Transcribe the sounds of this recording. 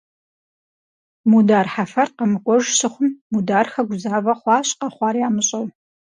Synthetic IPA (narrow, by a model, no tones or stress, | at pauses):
mudaːrħafɐrt̚qɐmɨkʷʼɔʒsɨχʷʊmːudaːrxɐɡʷʊzaːvɐχʷɑːɕqɐχʷɑːrjaːmɨɕʼɐw